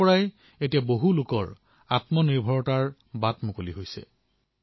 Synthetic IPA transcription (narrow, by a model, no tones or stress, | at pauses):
ɔɹaj | etijaboɦulʊkɔ̰ɹ | atmɔniɹbʱɔɹɔtaɹ | batmʊkoliɦojsɛ̰